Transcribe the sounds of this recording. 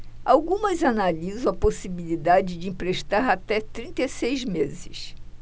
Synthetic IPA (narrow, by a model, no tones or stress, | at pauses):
awɡũmɐzanalizɐ̃w̃ɐposibilid̪ad͡ʒɪd͡ʒɪĩpɾeʃt̪aɾat̪ɛt̪ɾĩnt̪esejzmezɪs